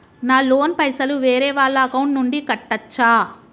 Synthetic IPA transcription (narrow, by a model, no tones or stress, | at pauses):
naːloːnpɐjsɐluʋeːɾɛːʋaːɭːɐɐkɐwuɳʈnuɳɖikɐʈːɐt͡ʃːaː